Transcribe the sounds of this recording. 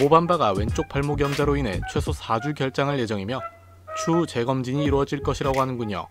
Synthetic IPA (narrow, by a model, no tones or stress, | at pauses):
mobambaɡawe̞nt͡ɕ͈ok̚pʰaɭmoɡjʌmd͡ʑaɾoine̞̰t͡ɕʰwe̞sʰosʰad͡ʑuɡjʌɭt͡ɕ͈aŋɯɭje̞d͡ʑʌŋimjʌ | t͡ɕʰut͡ɕe̞ɡʌmd͡ʑiɲiːɾuwʌd͡ʑiɭk͈ʌɕʰiɾaɡoɦanɯnɡuɲo̰